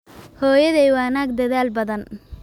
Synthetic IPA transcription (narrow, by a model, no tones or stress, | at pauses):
hɔːjɐðɛjwaːnaːɡ̚d̪ɐðaːlbɐðɐn